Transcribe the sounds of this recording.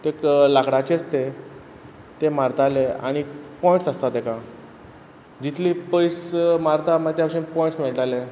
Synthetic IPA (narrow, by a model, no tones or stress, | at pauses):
t̪eklakɽat͡ɕet͡st̪e | t̪emaɾt̪alea̰ɽ̃ipɔjĩɳʈsəst̪at̪ekã | d͡ʑit̪ʰliːpəjsmaɾt̪amat̪japaʂɕiːnpɔjɳʈsmiɭʈale